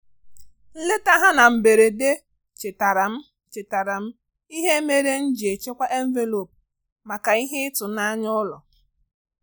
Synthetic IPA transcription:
n̩˦le˦ta˦ɦa˦na˨m̩˨be˨ɾe˨de˦ | t͡ʃe˨ta˨ɾa˨m̩˦ | t͡ʃe˨ta˨ɾa˨m̩˦ | i˦ɦe˦me˦ɾe˦n̩˦d͡ʒi˨e˨t͡ʃe˦kʷa˦ʔe˦ɱ̩˦ve˦lo˨p̚ | ma˨ka˨i˦ɦe˦ɪ˦tʊ˨na˦ɲɔ˦lɔ˨

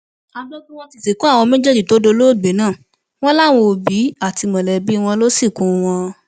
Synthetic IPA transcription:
a˧ɡ͡bo˦kũ˦w̃ɔ̃˧ti˧se˨kũ˦a˦˨w̃ɔ̃˧mɛ̃˦d͡ʒɛ˦d͡ʒi˦˨to˨˦do˧˦lo˦˨ɡ͡be˨˦nãː˦˨ | w̃ɔ̃˦la˦˨w̃o˧bi˨˦a˦˨ti˧mɔ̃˨lɛ˨bi˨˦˧w̃ɔ̃˧lo˦si˦˨kũ˨˦w̃ɔ̃˧

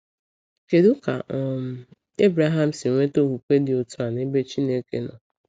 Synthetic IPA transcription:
ke˨dʊ˦ka˨ʔ | e˦bɾa˦ɦa˦m̩˨sɪ˨ŋʷe˦to˦ɦu˨kʷe˦dɪ˨o˨tu˦a˨ne˦be˦t͡ʃi˦ne˦kḛ˦nɔ̰˨

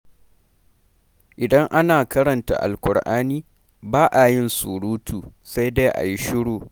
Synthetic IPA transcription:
ʔɪ˨dɐ˦ŋʔa˦naː˨kɐ˦ɽɐ˨nta̰˨ʔa̰˨lkʷʊ˨ɽʔaː˦niː˦ | baː˦ʔa˨jɪ˦nsu˨ɽuː˦tʰuː˨sa˦jde˦ʔa̰˨ji˦ʃɪ˦ɽoː˨

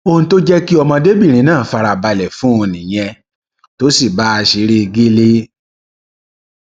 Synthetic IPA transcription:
o˧˨ũ˧to˦d͡ʒɛ˦ki˦ɔ˧mɔ̃˧de˦bi˦˨ɾ̃ĩ˨˦nãː˦˨fa˧ɾa˧ba˧lɛ˨fũ˦o˧nĩ˨j̃ɛ̃˧ | to˦si˦˨ba˨˦a˧ʃi˧˦ɾi˦˧ɡi˦le˦

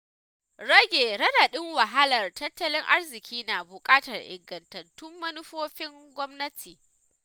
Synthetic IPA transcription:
ɽɐ˦ɡʲeː˨ɽɐ˦da˨ɗɪ˦ŋwɐ˨ɦa˦lɐ˨rtɐ˦tːɐ˦lɪ˦ŋʔa˦rzɪ˨kʲiː˦na˨bʊ˨kʼaː˦tɐ˨rʔɪ̰˨ŋɡɐ˨ntɐ˨ntʊ˦mːɐ˦nʊ˦ɸoː˦ɸɪ˦ŋɡʷɔ˦mnɐ˦tʰiː˨

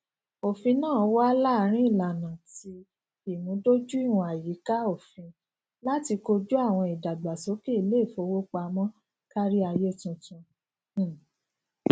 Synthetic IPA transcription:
o˨fĩ˧nãː˦˨˦wa˦la˦˨˧ɾ̃ĩ˦i˦˨la˨nã˨ti˧ | i˨nũ˨˦do˦d͡ʒu˦i˦˨wũ˧a˨ji˨˦ka˦o˦˨fĩ˧ | la˦ti˧ko˧d͡ʒu˦a˦˨w̃ɔ̃˧i˨da˨da˨so˨˦ke˦i˦˧le˦˨fo˧˦wo˦k͡pa˧mɔ̃˦ | ka˦ɾi˦a˧je˦˨tũ˧tũ˧˦˨

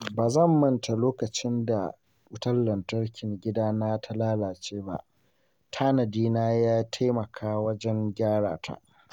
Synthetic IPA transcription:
baː˨zɐ˦˨mːɐ˦ntʰa˨loː˦kɐ˨t͡ʃɪ˦nda̰˨ | ʔʊ˦tɐ˦lːɐ˨ntɐ˦rkʲɪ˨ŋɡʲɪ˦daː˦na˦tʰɐ˦laː˦laː˨t͡ʃeː˦ba̰˦ʔ | tʰaː˦nɐ˨diː˦naː˦jaː˦tʰa˦jmɐ˨kʰaː˦wɐ˦d͡ʒɛ˦ŋɡʲaː˦ɽa̰ː˨tʰa̰˦ʔ

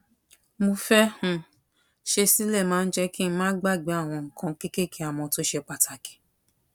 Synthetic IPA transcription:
mo˧fɛ˦hũ˦˨ | ʃe˧si˦lɛ˦˨mãː˨˦n̩˦d͡ʒɛ˦ki˦˧˦mãː˦ɡ͡ba˦˨ɡ͡be˨˦a˦˨w̃ɔ̃˧ŋ̩˨kʰã˧ki˦ke˦kʰi˦a˦˨w̃ɔ̃˧to˦ʃe˧k͡pa˨tʰa˨ke̥˨˦

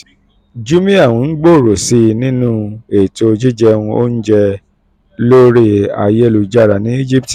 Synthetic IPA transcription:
d͡ʒu˦mĩ˦a˦˨wũ˨˧n̩˦ɡ͡bo˦˨ɾo˨si˧nĩ˦nũ˦e˦˨to˧d͡ʒi˦d͡ʒɛ˧ũ˧o̰˦n̩˦d͡ʒɛ˧ | lo˦ɾe˦a̰˧je˦˨lu˧d͡ʒa˦˨ɾa˨nĩ˦i˦d͡ʒi˦pti˨

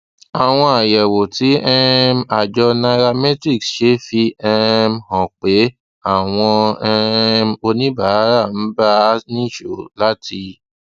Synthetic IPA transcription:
a˨w̃ɔ̃˧a˨jɛ˨wo˨ti˨˦ɛ˦˧ma˨d͡ʒɔ˧na˧ɾa˧mɛ˦tɾi˦˨ksʃe˨˦fi˧ɛ˧mhɔ̃˨k͡pe˨˦ | a˦˨w̃ɔ̃˧ɛ˧mo˧nĩ˦ba˦ɾa˦˨n̩˨˦ba˦nĩ˦˨ʃo˨la˦ti˧

